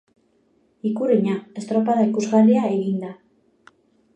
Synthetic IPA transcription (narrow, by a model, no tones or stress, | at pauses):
ikuriɲae̞st̪ɾo̞paðaikuzɣariaeɣind̪a